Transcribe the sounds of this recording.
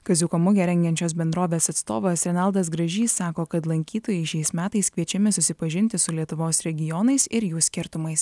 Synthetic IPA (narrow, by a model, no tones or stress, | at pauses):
kɐzʲʊkɐmʊɡʲɛɾʲɛŋʲɡʲɛnʲt͡ʃʲoːs̬bʲɛnd̪ɾoːʋʲeːsɐt̪st̪oːʋɐsɾʲɛnɑˑlˠd̪ɐsɡɾɐʒʲiːsɑːkoːkɐt̪lˠɐŋʲkʲiːt̪oːjɛɪʃʲɛɪsmʲæːt̪ɐɪskʋʲiɛt͡ʃʲɛmʲɪsʊsʲɪpɐʒʲɪnʲt̪ʲɪsʊlʲiɛt̪ʊʋoːsɾʲɛɡʲɪjɔnɐɪsɪɾjuːsʲkʲɪɾt̪ʊmɐɪs